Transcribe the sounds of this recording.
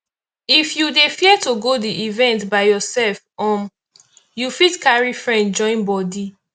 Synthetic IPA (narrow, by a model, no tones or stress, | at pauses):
ifjudefiɛtoɡodiʔivɛ̃ntbaɪjɔsɛlfɔ̃m | jufitkaɹifɹɛ̃ndd͡ʒɔ̃ɪ̃nbɔdi